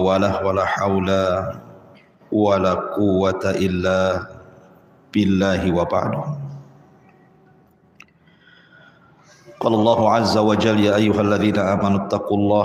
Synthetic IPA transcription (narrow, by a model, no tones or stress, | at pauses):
walahwalaːħawla | walaːqʊwːat̪aʔɪlːaː | b̥ɪlːaːhɪwaba̰ʕd̪ʊhm | qɑːlalˤːɑːɦʊʕazːawad͡ʒalːjaːʔajːʊɦalːaðiːnaʔaːmanʊt̪ːaquːlˤːɑː